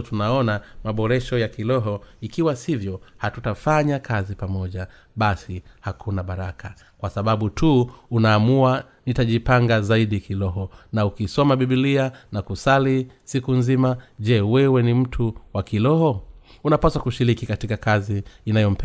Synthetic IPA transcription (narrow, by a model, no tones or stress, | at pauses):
tunaɔnamaɓɔɾɛʃɔjakilɔɦɔikiwasivjɔhatutafaɲakʰazipamɔʄa | ɓasihakʰunaɓaɾakʰa | kwasaɓaɓutʰuunaːmua | nitaʄipaŋɡazaiɗikilɔɦɔnaukisɔmaɓiɓilianakusalisikunzimaʄɛwɛwɛnim̩tʰuwakilɔhɔunapasakuʃiɾikikatikakaziːnajɔm̩pɛ